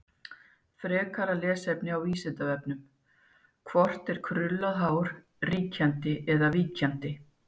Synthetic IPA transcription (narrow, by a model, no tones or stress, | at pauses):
fɾɛːkʰaɾalɛːsɛpnɪawiːsɪnt̪avɛpnʏm | kʰvɔr̥t̪ɛɾ̥kʰɾʏlːaðɦaːwɾ̥ | riːcʰant̪ɪʔɛðaviːcʰant̪ɪ